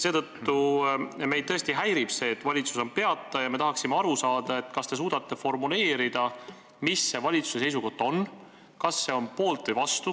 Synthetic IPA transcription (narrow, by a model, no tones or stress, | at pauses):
se̞ːt̪ɤ̞t̪ːume̞jd̪̚ɤest̪iɦæjɾib̥se̞ːt̪ːvɑlʲit̪suso̞npe̞ɑt̪ːˑɑjɑme̞t̪ɑɦɑksimeɑɾusɑːd̪̥ɑe̞t̪ːˑkɑst̪e̞s̬uːd̪̥ɑt̪ːe̞fo̞rmule̞ːɾid̪̥ɑ | misːe̞vɑlʲit̪su̥se̞se̞js̬uko̞ht̪ːo̞n | kɑsːe̞o̞npo̞ːlt̪vɨjvɑst̪u